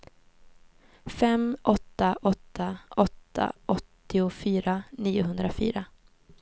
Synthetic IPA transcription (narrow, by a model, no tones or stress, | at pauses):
fɛmʔɔt̪ːaʔɔt̪ʰːaʔɔt̪ʰːa̰ʔɔt̪ːɪʊfyːɾaniːʊɦɵnd̪ɾafy̰ːɾa